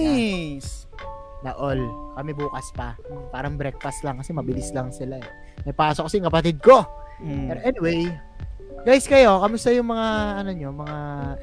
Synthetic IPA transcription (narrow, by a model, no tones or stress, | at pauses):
s | nɐʔolkɐmɛbuːkɐspɐpaːɾɐŋbɾɛk̚fɐst̪laŋkɐsɛmɐbɪlɪslɐŋsɪlaɛ | mɐjpaːsokːɐsɛjɪŋkɐpɐt̪ɪd̪̚ko̞pɛːɾoʔɛnɪwej | ɡajskɐjo̞kɐmʊst̪ɐjʊŋmɐŋaʔɐno̞ɲo̞mɐŋa